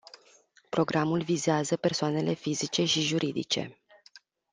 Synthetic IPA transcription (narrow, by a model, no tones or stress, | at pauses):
pɾo̞ɡɾʔamulvizeazəpe̞rsoane̞le̞fizit͡ʃe̞ʃiʒuɾʔid̪ḭt͡ʃe̞̰